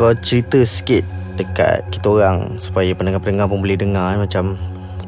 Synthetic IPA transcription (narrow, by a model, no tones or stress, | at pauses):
kalat͡ʃəɾit̪əskɪt̪̚dəka̰t̪̚ki̥t̪aoɾaŋsu̥pajapənəŋapənəŋapʊŋbəlidəŋamat͡ʃam